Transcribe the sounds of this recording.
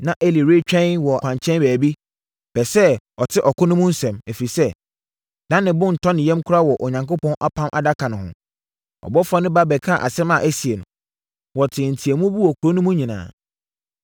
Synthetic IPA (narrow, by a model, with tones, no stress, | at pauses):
nã˨ʔe˦li˨ɾe˦t͡ɕᶣɛ̃˦nwɔ˨ã˨ɲt͡ɕʰɛ̃˦nbæː˨bi˦ | b̥ɛ˨sɛ˦ɔ˨tʰɪ˦ʔɔ˨kʰʊ˦nʊ̃˦mʊ̃˦n̩˦sɛ̃˨mæ˨fi˨sɛ˦ | d̥ã˦nːɪ̃˨bʊ̃˦n̩˨tʰɔ̃˦nɪ̃˨jɛ̃˦mkʰʊ˦ɾa˦wɔ˨ʔɔ˨ɲã˨ŋkʊ˦pʰɔ̃˦nʔa˦pʰã˦mʔa̰˨da˦kʰa˨nʊ̃˨ɦʊ̰̃˨ | ɔ̰˨bɔ˦fɔ˦nɪ̃˦ba˦bɛ˨kʰa˦˨ʔa̰˨sɛ˦mã˨ʔæ˦si˨e˨nʊ̃˨ | wɔ˨tʰɪ̃˨n̩˨tʰi˨æ˨mũ˦bu˦wɔ˨kʰu˨ɾo˦nʊ̃˦mũ˦ɲĩ˨nã̰ː˨